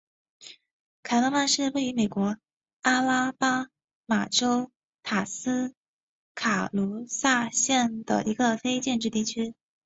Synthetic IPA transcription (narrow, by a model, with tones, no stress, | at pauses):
kʰa˨˩ɪlo˧˥ma˥˧nʂɻ̩˥˧we˥˩ɪy˧˥me˨˩ɪkwɔ˧˥ | a˥la˥pa˥ | ma˨˩ʈ͡ʂo˥ʊ | t̪ʰa˨˩sɹ̩˥ | kʰa˨˩lu˧˥sa˥˧ɕjɛ˥˩nd̪ə̰˩ʔi˧˥ɡə˧fe˥ɪt͡ɕjɛ˥˧nʈ͡ʂɻ̩˥˧t̪i˥˩t͡ɕʰy˥